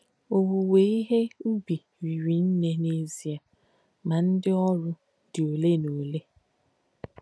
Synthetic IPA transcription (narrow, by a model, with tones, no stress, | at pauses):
o˨wu˨we˨˦i˦ɦe˦u˦bi˨ | ɾi˨ɾi˨n̩˦ne˦ne˦zi˨a˨ | ma˨n̩˦dɪ˦ɔ˦ɾʊ˦ | dɪ˨o˨le˦no˨le˦